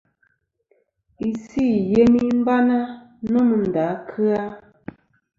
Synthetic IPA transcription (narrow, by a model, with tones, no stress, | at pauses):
i˨si˦˨je˦ni˦m̩˦ba˦na˦ | nɔ˦mə˨n̩˨da˨˦kʰɨ˦a˦